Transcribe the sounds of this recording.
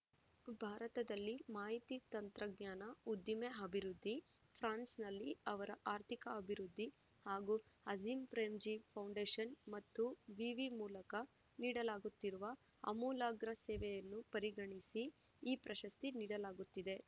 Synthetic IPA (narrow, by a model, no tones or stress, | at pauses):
bʱaːɾɐt̪ɐd̪ɐlːimaːɦit̪it̪ɐnt̪ɾɐɡɲaːnɐud̪jimeɐbʱiɾud̪ʱːi | pʰɾaːnsnɐlːiɐʋɐɾɐʔaːɾt̪ʰikɐːbʱiɾud̪ʱːi | haːɡuɐziːmpɾeːmd͡ʒipʰɐwɳɖeːʃɐnmɐt̪ːuʋiʋimuːlɐkɐ | niːɽɐlaːɡut̪ːiɾuʋɐ | ɐ̰muːlaːɡɾɐsɛːʋɛjɐnːupɐɾiɡɐɳisiː | pɾɐʃɐst̪iniːɽɐlaːɡut̪ːid̪e̞